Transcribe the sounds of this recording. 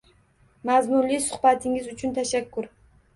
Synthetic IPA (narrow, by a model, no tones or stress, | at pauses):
mazmʊnlisʊχbat̪ʰɪŋɪzʊt͡ʃʰʊnt̪ʰaʃakːʊɾ